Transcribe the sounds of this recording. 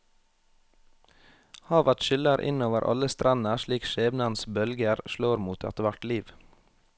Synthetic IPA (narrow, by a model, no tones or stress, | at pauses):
hɑːʋæʈʃʏləɾʔɪ̰noːʋəɾʔɑ̰ləst̪ɾʔɑnəʃɭiːkʃeːbnɑnsbœlɡəɾʃloːɾmuːt̪ʰɑ̰t̪ʋæʈliːʋ